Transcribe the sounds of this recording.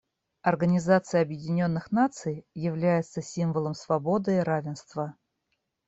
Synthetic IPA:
ɐrɡənʲɪzat̪sɨjəɐbjɪdʲɪnʲo̞nːɨxnat̪sɨjjɪvlʲæjɪt̪səsʲimvəlˠəmsvɐbo̞d̪ɨːɾavʲɪnst̪və

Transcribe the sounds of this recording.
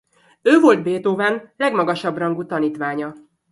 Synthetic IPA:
øːvo̞ld̪beːt̪oːvaːnlɛɡmɒɡɒʃɒbrɒŋɡut̪ɒniːt̪ʋaːɲɒ

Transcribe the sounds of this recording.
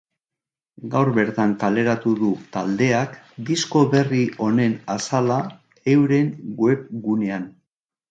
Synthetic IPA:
ɡawɾbe̞ɾt̪aŋkale̞ɾat̪uðut̪a̰ld̪e̞akd̪isko̞βe̞riʔo̞ne̞nasala | e̞wɾe̞ŋɡwe̞pɡune̞an

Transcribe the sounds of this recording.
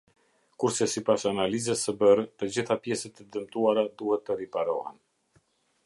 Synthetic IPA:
kuɾsɛsipasanalizɛsəbəɾt̪əd͡ʑiθapjɛsɛt̪ɛd̪əmt̪uaɾad̪uhɛt̪ːəɾipaɾɔhɛ̰n

